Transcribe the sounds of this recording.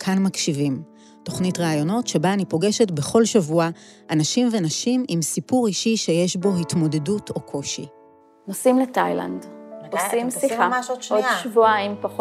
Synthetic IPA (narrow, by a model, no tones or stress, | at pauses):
kʰanmakʃivim | to̞χnitʁaːjo̞no̞tʃe̞baːnipo̞ɡe̞ʃetbe̞χo̞lʃavua | ʔanaʃimvenaʃimimsipuʁiʃiʃe̞je̞ʃbo̞hitmo̞de̞dutʰo̞kʰo̞ʃḭ | nosimletajla̰ndosimsiamaʃodʃoʃvuaimpaχo